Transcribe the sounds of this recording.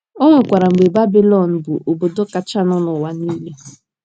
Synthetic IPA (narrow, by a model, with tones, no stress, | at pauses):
o˦ŋʷe˨kʷa˨ɾa˨ŋ͡m̩˨ɡ͡be˨ba˦bi˦lɔ˨n̩˨bʊ˨ʔo˨bo˨do˦ka˦t͡ʃa˦nɔ˦nʊ˨wa˦ni˦le˦